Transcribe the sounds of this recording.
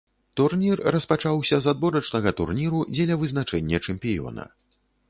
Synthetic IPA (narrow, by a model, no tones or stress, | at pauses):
t̪urnʲirːɐspat͡ʂawsʲɐzad̪vɔɾɐt͡ʂnɐɣɐt̪ṵrnʲiɾud͡zʲɛlʲɐvɨznat͡ʂɛnʲːɛt͡ʂɛmpʲijɔ̰nɐ̰